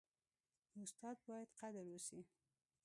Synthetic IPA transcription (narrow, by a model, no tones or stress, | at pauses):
ʊst̪ɑd̪̚bɑjad̪qad̪aɾwəsi